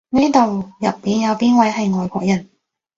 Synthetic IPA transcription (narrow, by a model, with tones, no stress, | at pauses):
ne˥jt̪o˨wjɐ˨pːiː˨˧njɐ˨˧wpiː˥nwɐ˨˥jɦɐ˨jŋɔː˨jkʷɔː˧k̚jɐ˨˩n